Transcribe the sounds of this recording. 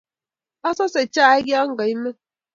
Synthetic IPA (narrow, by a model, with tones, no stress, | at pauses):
a˦sɔ˦se˨t͡ʃa˦˨e˦ɡi˦a˦ŋ̩˦ɡa˨i˦me˦